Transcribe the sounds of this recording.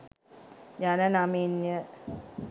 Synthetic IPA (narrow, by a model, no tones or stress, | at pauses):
janənaminjə